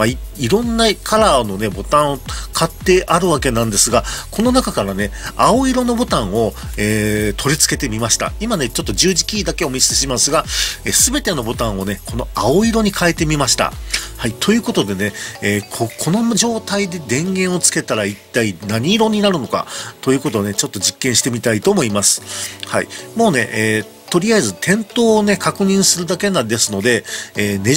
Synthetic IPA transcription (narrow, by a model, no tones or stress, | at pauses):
maiiɾõ̞nːakʰaɾano̞ne̞bo̞t̪ãɰ̃okʰat̪ːe̞ʔaɾɯ̟βake̞nãnd̪e̞sɨɡako̞no̞nakakaɾane̞ao̞iɾo̞no̞bo̞t̪ãɰ̃o̞eːt̪ʰo̞ɾʲit͡sɨ̥ke̞t̪e̞mʲimaɕi̥t̪a̰imane̞t͡ɕo̞t̪ːo̞ʑɨːʑikʲiːd̪ake̞o̞mʲiseɕimasɨɡaesɨbe̞t̪e̞no̞bo̞t̪ãɰ̃o̞ne̞kʰo̞no̞ao̞iɾo̞ɲ̟ikʰae̞t̪e̞mʲimaɕi̥t̪a̰hait̪ʰo̞jɯ̟ːko̞t̪o̞d̪e̞ne̞eːkʰokʰono̞ʑo̞ːt̪aid̪e̞d̪ẽ̞ŋɡẽ̞ɰ̃o̞t͡sɨ̥ke̞t̪aɾait̪ːainaɲ̟iːɾo̞ɲ̟inaɾɯ̟no̞ka̰t̪o̞jɯ̟ːko̞t̪one̞t͡ɕo̞t̪ːo̞ʑikːẽ̞ɰ̃ɕi̥t̪e̞mʲit̪ait̪o̞ːmo̞imasɨ̥haḭmo̞ːne̞ʔeː | t̪o̞ɾʲiazɨt̪ʰẽ̞nt̪o̞ːne̞kʰakɯ̟ɲ̟ĩɰ̃sɨɾɯ̟d̪ake̞nãd̪e̞sɨno̞d̪e̞eːne